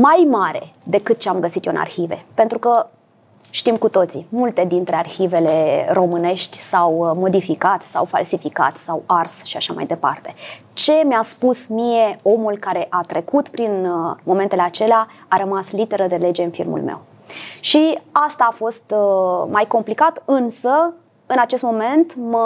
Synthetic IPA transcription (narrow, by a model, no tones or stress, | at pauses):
majmaɾe̞̰d̪e̞kɨt̪̚t͡ʃeamɡəsit̪jona̰rçive̞̰pent̪ɾukə | ʃt̪imkut̪o̞t̪sḭmult̪e̞d̪int̪ɾe̞arxive̞le̞ro̞mɨne̞ʃt̪ʲsawmo̞d̪ifikat̪sa̰wfa̰lsifika̰t̪sawarsʃiaʃama̰jd̪e̞pa̰rt̪e̞ | t͡ʃe̞measpusmije̞o̞mulkaɾe̞ʔat̪ɾe̞kut̪pɾinmo̞me̞nt̪e̞le̞at͡ʃe̞leaaɾəmaslit̪e̞ɾəd̪e̞le̞d͡ʒe̞ɨnfḭlmṵlmḛw | ʃiast̪aːfo̞st̪majko̞mplikat̪ɨnsə | ɨnat͡ʃe̞st̪mo̞me̞nt̪mə